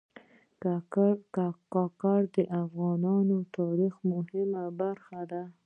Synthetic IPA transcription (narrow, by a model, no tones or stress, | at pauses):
kɑkɑɾd̪əʔafɣɑnɑnot̪ɑɾixmʊhɪmabaɾxad̪a